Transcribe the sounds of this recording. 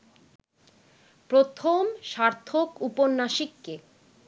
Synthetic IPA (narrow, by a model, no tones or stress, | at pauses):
pɾot̪ʰomʃaɾt̪ʰokuponːaʃikːe